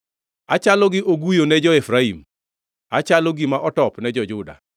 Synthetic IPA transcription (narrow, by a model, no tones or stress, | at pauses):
at͡ʃalɔɡɪʔoɡujonɛd͡ʒɔefɾaim | at͡ʃalɔɡimaʔɔtɔpnɛd͡ʒɔd͡ʒʊda̰